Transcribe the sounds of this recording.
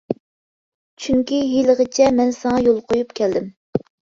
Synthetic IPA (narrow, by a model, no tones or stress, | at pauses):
t͡ʃʰyŋkʲiɦiləʁət͡ʃʰɛmɛnsɨŋɑjolˠqʰojupkʲʰɛld̪ɪm